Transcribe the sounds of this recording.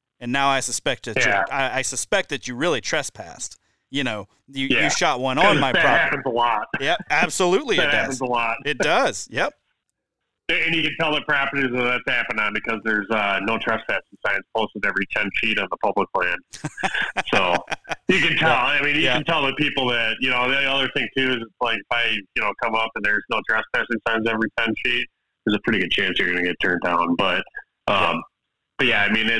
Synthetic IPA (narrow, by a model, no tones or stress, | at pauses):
ɨ̃nːaʊaɪsɨspɛk̚t̪̚ðɨjæɨaɪaɪsɨspɛk̚t̚ðɨt͡ʃɨɹɪlˠitʰɹ̥ɛspʰæ̰st̚ | jɨñoʊ | jɨjæɨʃɑt̚wʌ̃nə̃nmaɪpʰɹɑhæpɨ̃nzəlɔt̚jɛp̚æb̥səlʉtˡliɨt̚hd̥æ̃nzəlɔt̚ɪt̚d̥ʌz̥jɛp̚ | ɨɨ̃njɨkɨ̃ntʰɛlˠðɨpʰɹ̥ɑpə˞ɾizɨðɨtshæpɨ̃nɨ̃nbɨkʰʌzðə˞zʌnoʊtʰɹ̥ʌstfæsɪ̃ŋsãɪɨ̃nspʰoʊstəvɛvɹitʰɛ̃nt͡ʃʰiɾɨ̃n̩ðəpʰʌbləklæ̃nd̥ | soʊjɨkɨ̃ntʰɛlˠaɪmĩnjɨkntʰɛlˠðɨpipl̩ˠðɨt̚jɨnoʊðiiʌðə˞θɪ̃ŋtʰʉɨzɨtslaɪkfaɪjɨnoʊkʰʌ̃mʌpɨ̃nðə˞znoʊtʰɹ̥ʌstfæsɪ̃ŋsãɪɨ̃ns̬ɛvɹitʰɛ̃nt͡ʃʰit̚ | ðə˞zəpʰɹ̥ɪɾiɡʊd̚t͡ʃʰæ̃nsjə˞ɡʌ̃nɨɡɛtʰɜ̃˞ndãʊ̃nb̥ʌt̚ | ʔʌ̃m | b̥ʌt̚jæaɪmĩnɪt̚